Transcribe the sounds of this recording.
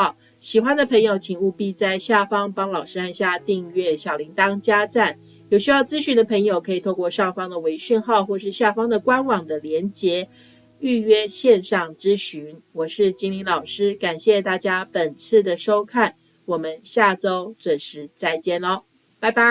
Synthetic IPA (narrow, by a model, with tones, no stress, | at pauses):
ɕi˨˩xwa˥nd̪ə˨pʰə˧˥ŋjo˧ʊt͡ɕʰi˨˥ŋu˥˧pi˥˧t͡sa˥˧ɪɕja˥˩fɑ˥ŋpɑ˥ŋlɑ˨˩ʊʂɻ̩˥a˥˧nɕja˥˧t̪i˥˧ŋɥɛ˥˩ɕjɑ˨˩li˧˥ŋt̪ɑ˥ŋt͡ɕja˥t͡sa˥˩n | jo˨˩ʊɕy˥jɑ˥˩ʊt͡sɹ̩˥ɕy˧˥nd̪ə˧pʰə˧˥ŋjo˨˩ʊkʰɤ˧˥i˨˩t̪ʰo˥˧ʊkwɔ˥˧ʂɑ˥˩ŋfɑ˥ŋd̪ə˨we˧˥ɪɕy˥˧nxɑ˥˧ʊxwɔ˥˧ʂɻ̩˥˧ɕja˥˩fɑ˥ŋd̪ə˨kwa˥nwɑ˨˩ŋd̪ə˦ljɛ˧˥nt͡ɕjɛ˧˥ | y˥˩ɥɛ˥ɕjɛ˥˧nʂɑ˥˩ŋt͡sɹ̩˥ɕy˧˥nwɔ˨˩ʂɻ̩˥˩t͡ɕi˥ŋli˧˥nlɑ˨˩ʊʂɻ̩˥ka˨˩nɕjɛ˥˧t̪a˥˩t͡ɕja˥pə˨˩nt͡sʰɹ̩˥˩d̪ə˩ʂo˥ʊkʰa˥˩n | wɔ˨˩mə˦nɕja˥˩ʈ͡ʂo˥ʊt͡swə˨˩nʂɻ̩˧˥t͡sa˥˩ɪt͡ɕjɛ˥˩nɔ˧ | pa˥˩ɪpa˥